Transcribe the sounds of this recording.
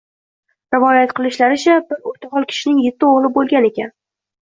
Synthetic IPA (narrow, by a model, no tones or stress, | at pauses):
ɾɪvɒjat̪qʰɨlˠɪʃlaɾɪt͡ʃʰabɪɾot̪ʰaʁɒlˠkʲʰɪ̥ʃɪnɪŋjet̪ʰːɪoʁlˠɪbolˠɡʲane̞kʲan